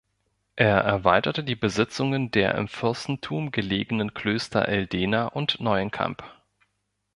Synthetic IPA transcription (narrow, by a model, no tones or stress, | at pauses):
ʔeːɐʔɛɐvaɪtɐtədiːbəzɪt͡sʊŋəndeːɐʔɪ̰mfɪɐstn̩tʰuːmɡəleːɡənənkʰl̥øːstɐ̰ʔɛldeːnaʔʊntnɔʏənkʰa̰mp